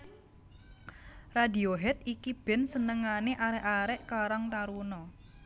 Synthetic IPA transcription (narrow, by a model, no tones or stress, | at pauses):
radioɦɛt̪̚ikib̥ɛ̤nsənəŋaneʔaɾɛʔaɾɛʔkaɾaŋt̪aɾunɔ